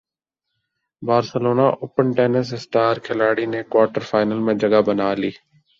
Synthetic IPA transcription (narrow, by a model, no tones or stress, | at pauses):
baːɾsəloːnaːʔoːpəɳʈeːnəssʈaːɾkʰɪlaːɽiːneːkwaːʈəɾfʰaːɪnəlmẽːd͡ʒəɡabənaːliː